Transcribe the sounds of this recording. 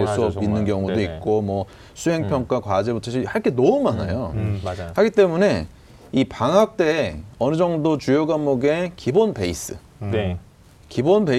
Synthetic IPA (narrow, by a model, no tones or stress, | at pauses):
os͈uʌinːɯnkjʌŋudoik̚k͈omwʌ | sʰuɦe̞ŋpʰjʌŋk͈akwad͡ʑebutʰʌɕʰihaɭk͈e̞noumana̰johaɡit͈e̞mune̞ | ipaŋɦak̚t͈e̞ʌnɯd͡ʑʌŋdot͡ɕujoɡamoɡe̞kibonpe̞is͈ɯ̰ | kibonbe